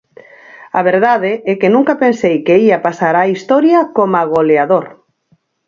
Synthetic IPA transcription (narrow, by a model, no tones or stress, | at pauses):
aβ̞eɾðaðeɛkenũŋkapensejkeiapasaɾaist̪ɔɾjakomaɣoleaðoɾ